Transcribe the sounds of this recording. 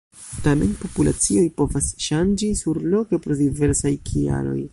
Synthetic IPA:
tame̞̰npo̞pula̰t͡sio̞jpo̞vasʃand͡ʒisuɾlo̞ke̞pɾo̞dive̞ɾsajkʰia̰ɾo̞̰j

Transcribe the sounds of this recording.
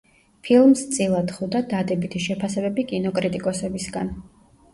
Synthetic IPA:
pʰilˠmst̪sʼilˠad̪χud̪ad̪ad̪ɛbit̪ʰiʃɛpʰasɛbɛbikʼinɔkʼɾit̪ʼikʼɔsɛbisɡan

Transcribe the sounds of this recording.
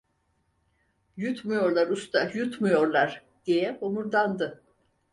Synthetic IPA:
jut̪mujo̞ɾlˠaɾust̪ʰajut̪mujo̞ɾlˠaɾ̥ | d̪̥ijɛhomuɾd̪and̪ɯ

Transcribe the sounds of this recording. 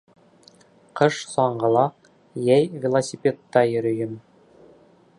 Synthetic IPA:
qɤʃsɑɴɢɤ̆lˠɑ | jæjvʲɪlˠosʲipʲet̪ːɑjɵ̆ɾɵ̆jɘm

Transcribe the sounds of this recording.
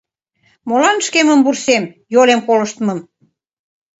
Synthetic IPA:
molɑnʃkeməmbursemjolemkoləʃt̪məm

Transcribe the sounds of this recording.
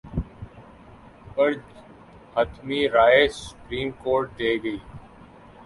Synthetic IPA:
pəɾd͡ʒ | hət̪ʰmiːɾaːeːsʊ̥pɾiːmkoːɾʈ̚ɖeːɡəiː

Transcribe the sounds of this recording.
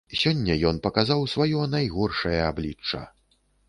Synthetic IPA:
sʲɔnʲːɐjɔnpɐkazawsvajɔnajɣɔrʂɐjɐablʲit͡ʂːɐ̰

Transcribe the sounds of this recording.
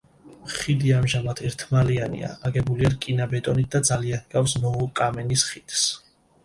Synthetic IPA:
mχid̪iamʒamat̪ʰɛɾt̪ʰmalianḭa̰aɡɛbuliaɾkʼinabɛt̪ʼɔnit̪̚d̪ad̪zalianɡafsmɔɔkʼamɛnisχit̪ʰs

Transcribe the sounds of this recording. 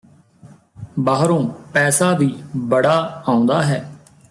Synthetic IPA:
baːɦɾõːpɛːsaːd̪iːbəɽaːaːʊ̃nd̪aːɦɛː

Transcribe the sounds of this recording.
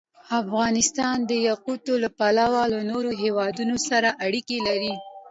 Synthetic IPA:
afɣɑnɪst̪ɑnd̪əjaqut̪olapalawalanoɾoɦewɑd̪unosaɾaʔaɽikelaɾi

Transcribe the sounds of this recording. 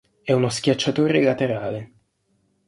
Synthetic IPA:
ɛunosk̟jat͡ʃːat̪oːɾelat̪eɾaːle

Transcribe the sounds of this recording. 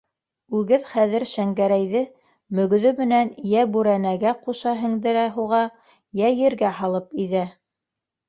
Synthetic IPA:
ʉɡɘðχæðɘɾʃæŋɡæɾæjðɘ | mɵ̆ɡ̆ðɵmɘ̆nænjæbʉɾænæɡæquʃɑɦɘ̆ŋd̪ɘ̆ɾæɦuʁɑ | jæjɘ̆ɾɡæhɑlˠɤpiðæ

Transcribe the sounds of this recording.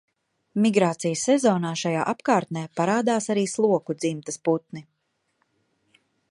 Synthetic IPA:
miɡɾaːt̪sijəsːɛzɔːnaːʃajaːʔapkaːɾt̪̚nɛːpaɾaːd̪aːsaɾiːslˠuɔkud̪zimt̪ɐsput̪̚ni

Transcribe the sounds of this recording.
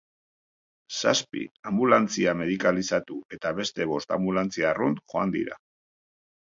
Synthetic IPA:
saspḭambulant͡siame̞ðikalisat̪ue̞t̪aβe̞st̪e̞βo̞st̪a̰mbulant͡siarunxo̞a̰nd̪ḭɾa̰

